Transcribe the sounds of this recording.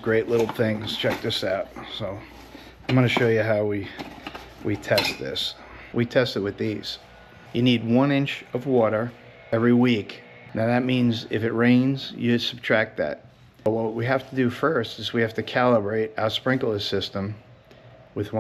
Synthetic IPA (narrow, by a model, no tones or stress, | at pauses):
ɡ̥ɹeɪʔˡlɪɾl̩ˠθɪ̃ŋz̥t͡ʃʰɛk̚tʌsaʊt̚soʊ | ãɪ̃mɑnɨʃoʊjɨɦaʊwi | witʰɛst̪̚ðɪ̰s | witʰɛstɨt̚wɨðiz̥ | jɨnid̚wʌ̃nɪ̃nt͡ʃʌvwɔɾə˞ | ɛvɹiwik | naʊðɨt̚mĩnzɪ̰fɨt̚ɹẽɪ̃nz̥jɨsəb̚tʰɹ̥æk̚t̪̚ðɨ̰t̚ | wʌwt̚wiɦæftʰədɨfɜ˞stɨzwihæftɨkʰælˠəbɹeɪɾaʊə˞spɹɪ̃ŋkl̩ˠə̥sɪstə̃m | wɨðw